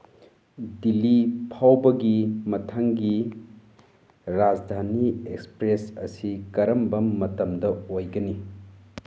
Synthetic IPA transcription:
dilːipʰawbɐɡimɐtʰaŋɡi | ɾad͡ʒdʱaniekspɾesɐ̰sikɐɾɐmbɐmɐtɐmdɐojɡɐni

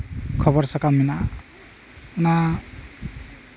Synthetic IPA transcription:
kʰʌbʌɾsʌkamina | una

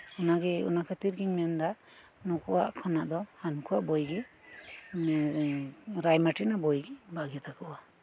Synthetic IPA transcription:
ɔnaɡɛṵnakʰat̪iɾɡiɲmɛnd̪a | nɔkɔwa̰ʔkʰɔnaʔd̪ɔhankʰuwaʔbɔjɡɛ | mɛ | ɾajmaʈinabɔjɡɛbaɡɛt̪akɔwa

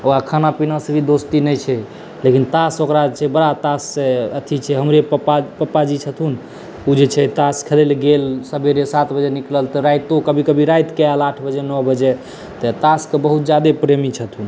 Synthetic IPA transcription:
oakʰanapinasəbʱid̪ost̪inɛt͡ʃʰɛ | lekint̪asokɾat͡ʃʰɛbəɾat̪asːeət̪ʰit͡ʃʰɛɦəmɾeəpapəpːad͡ʒit͡ʃʰət̪ʰun | ud͡ʒet͡ʃʰɛt̪askʰəlelɡelsəbʱeɾesat̪ʰbəd͡ʒenikləlt̪ɔɾajt̪okəbʱikəbʱiɾajt̪kealaʈʰbəd͡ʒenɔɦbəd͡ʒe | t̪ɔt̪askebəɦut̪d͡ʒad̪epɾemit͡ʃʰət̪ʰun

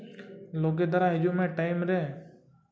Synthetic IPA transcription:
loːɡeːd̪əɾaːɦɪd͡ʒũːmẽːʈaːɪmɾeː

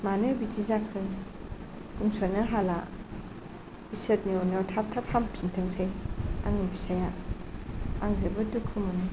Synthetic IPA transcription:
manɯbitizakʰɯŋ | kumsɔnaɦala | iset̚nionɔtʰap̚tʰapʰamzintʰəŋsʰaja̰ŋibisaja | aŋzebɯtukʰumɯnɯ

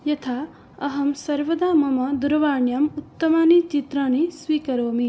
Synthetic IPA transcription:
jɐt̪ʰaː | ɐɦɐmsɐɾʋɐd̪aːmɐmɐd̪uɾɐʋaːɳjɐmut̪ːɐmaːnit͡ʃit̪ɾaːnisʋiːkɐɾoːmi

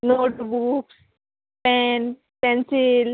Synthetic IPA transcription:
noːʈbuks | pɛn | pɛnsil

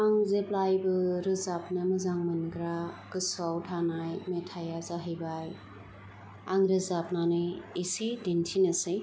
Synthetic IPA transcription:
aŋzeplajbɯɾɯzap̚nɯmɯzaŋmɯnɡɾaɡɯsawtʰanajmetʰajazaɦɯjbaj | aŋɾɯzap̚nanɯisidintʰinɯsɯj

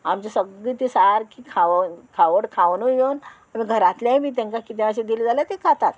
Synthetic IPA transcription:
amt͡ɕesəɡɭiːt̪isaɾkikʰaʋnkʰaʋəɽkʰaʋnujown | amiɡʱəɾat̪ljãimiːt̪̬ẽŋkakit̪eaɕed̪ilid͡zalat̪ekʰat̪at̪

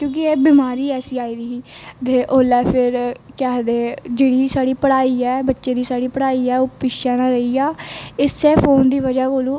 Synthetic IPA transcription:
kjõːk̬ɪeːbɪmaːɾiːɛːsiːaːiːd̪iːd̪eːʔoːlɛːpʰɪɾkɛːd̪eːd͡ʒeːɽiːsaːɽiːpəɽaːiːɛːbətːʃeːd̪iːsaːɽiːpəɽaːiːɛːoːpɪʃɛ̃ːnãːɾeiːaːɪsɛːpʰoːnd̪iːʋəd͡ʒaːkoːlũː

